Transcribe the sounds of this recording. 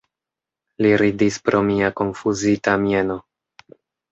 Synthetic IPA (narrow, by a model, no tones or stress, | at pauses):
liɾidispɾʔo̞miako̞nfuzitamje̞no̞